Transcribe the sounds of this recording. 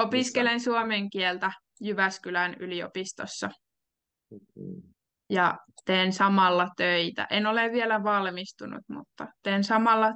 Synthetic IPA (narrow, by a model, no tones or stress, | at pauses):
opiskelensuomeŋkielt̪æ | jyʋæskylænylio̰pist̪osːɑ | jɑt̪eːnsɑmɑlːɑt̪øit̪æ̰ʔenoleʋʋielæʋɑlmist̪unṵt̪mṵt̪ːɑt̪eːnsɑmɑlːɑ